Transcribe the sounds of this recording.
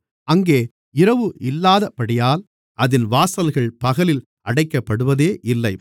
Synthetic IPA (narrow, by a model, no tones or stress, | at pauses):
ɐŋɡeː | ɪɾɐʋɯɪlːaːðɐpːɐɽɪjaːl | ʔɐðɪnʋaːsɐlɣɐɭpɐɣɐlɪl | ʔɐɽɐɪkːɐpːɐɽɯʋɐðeːʔɪlːɐɪ